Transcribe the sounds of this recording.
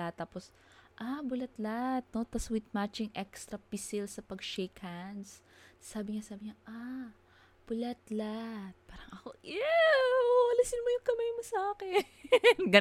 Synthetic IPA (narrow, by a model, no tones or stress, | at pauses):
at̪ːaːpos | ʔabʊlɐt̪lat̪̚not̪ɐswɪt̪̚mat͡ʃɪŋʔɛkst̪ɾɐpɪsɪlsɐpɐɡʃejkːand̪sː | aːbɪŋasaːbɪŋɲaʔa | b̥ʊlɐt̪lat̪̚paːɾɐŋɐko̞ʔɛ | wɐlɐsɪnmojʊŋkɐmajmosɐʔaːkɛ | nɡɐ